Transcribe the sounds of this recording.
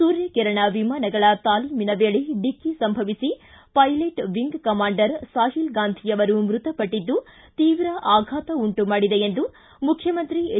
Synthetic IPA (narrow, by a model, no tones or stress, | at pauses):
suːɾjɐkɛɾɐɳɐʋimaːnɐɡɐɭɐt̪aːliːminɐʋeːɭeɖikːisɐmbʱɐʋisi | pɐjleʈʋiŋɡkɐmaːɳɖɐɾsaːɦilɡaːnd̪ʱijɐʋɐɾumɾut̪ɐpɐʈːid̪ːu | t̪iːʋɾɐʔaːɡʱaːt̪ɐuɳʈumaːɽid̪eend̪u | mukʰjɐmɐnt̪ɾi